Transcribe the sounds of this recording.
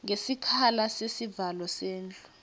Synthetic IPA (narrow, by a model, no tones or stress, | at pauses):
ŋesikʰalasesivalɔseːnd͡ɮʱʼu